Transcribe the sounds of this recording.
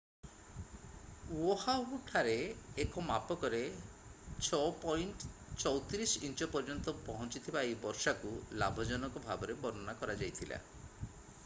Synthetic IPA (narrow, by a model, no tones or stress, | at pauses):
wohauʈʰaɾeːkɔmapɔkɔɾe | t͡ʃʰɔpɔjɳʈt͡ʃɔwt̪ɾisint͡ʃɔpɔɾd͡ʒɔnt̪ɔpɔɦɔnt͡ʃit̪ʰibaejbɔɾʃakula̰bʱɔd͡ʒɔnɔkɔbʱabɔɾebɔɾɔnakɔɾad͡ʒajt̪ʰila̰